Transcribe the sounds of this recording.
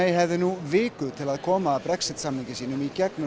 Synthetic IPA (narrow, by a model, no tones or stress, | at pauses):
ejɦɛvðɪnuvɪːkʏðt̪ʰɪlaðkʰɔːmaːpɾɛksɪ̥t̪samniŋcɪsiːnʏmicɛknʏ